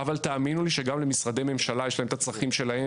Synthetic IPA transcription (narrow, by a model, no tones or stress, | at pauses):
avalt̪aːminuliʃe̞ɡamle̞misʁad̪e̞jme̞mʃalajeʃlahemt̪at͡sʁaχimʃe̞lahe